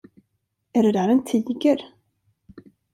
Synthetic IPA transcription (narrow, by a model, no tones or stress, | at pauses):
æɖɛd̪æːɾɛnt̪ʰiːɡəɾ